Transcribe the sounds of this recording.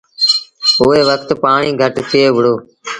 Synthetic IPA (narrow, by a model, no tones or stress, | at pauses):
ʊɦeːʋəkʰt̪paːɳiːɡʱəʈt̪ʰɪjeːʋəɽoː